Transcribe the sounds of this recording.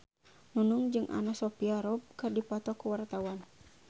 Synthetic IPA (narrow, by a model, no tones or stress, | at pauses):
nunuŋd͡ʒɨŋʔa̰nasɔpiaɾɔb̚kɨrdipɔt̪ɔkuwart̪awan